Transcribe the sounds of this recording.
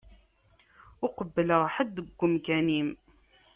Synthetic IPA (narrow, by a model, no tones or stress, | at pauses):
ʊqəbːələʁħəd̪ːəɡʷːəmkænim